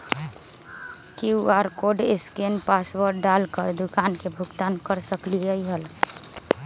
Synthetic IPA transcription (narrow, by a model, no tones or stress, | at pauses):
kiuaɾkoɖeskenpasʋəɾɖalkəɾd̪ukankebʱuɡt̪ankəɾsəkliəiɦəl